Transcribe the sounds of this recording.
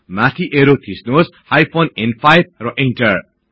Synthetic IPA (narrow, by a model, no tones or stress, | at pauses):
mat̪ʰiʔeɾot̪ʰisnoshajpʰonenpʰajb̚rʌʔenʈʌr